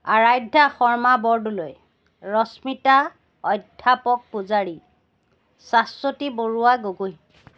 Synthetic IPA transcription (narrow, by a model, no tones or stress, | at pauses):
aɹajdʱaxɔɹmabɔɹduloj | ɹɔsmita | ɔjdʱːapɔk̚pʊzaɹi | sasotiboɹuwaɡoɡuj